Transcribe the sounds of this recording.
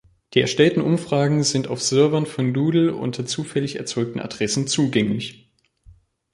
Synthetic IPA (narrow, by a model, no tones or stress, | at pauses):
d̥iːɛɐʃtɛltn̩ʔʊmfʁ̥aːɡŋ̩zɪntaʊfz̥ʏɐvɐnfɔnduːdl̩ʔʊ̰ntʰɐt͡suːfɛlɪçɛ̰ɐt͡sɔʏk̚tn̩ʔa̰dʁɛsn̩t͡suːɡɛŋlɪç